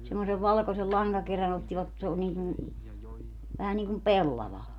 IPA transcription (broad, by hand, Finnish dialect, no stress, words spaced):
semːoseʋ ʋɑlkosel lɑŋɡɑkeræn otːiʋɑt s oː niːkun̞ ʋæhæ niːkum pelːɑʋɑ